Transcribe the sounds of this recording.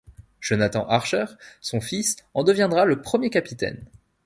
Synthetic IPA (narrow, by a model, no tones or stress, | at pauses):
ʒ̥ɔnat̪ɑ̰̃ʔaʁʃœʁsɔ̃fisɑ̃d̪əvjɛ̃d̪ʁaləpχəmjekapit̪ɛ̰n